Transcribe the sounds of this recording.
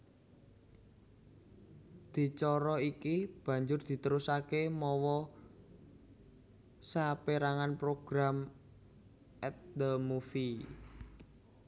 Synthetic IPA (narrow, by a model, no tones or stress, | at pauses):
d̪̥i̤t͡ʃɔɾɔikib̥ä̤ɲd͡ʒʊrd̪̥i̤t̪əɾusakemɔwɔ | sapeɾaŋanpɾoɡ̥ɾam | ɛt̪̚d̪əmufi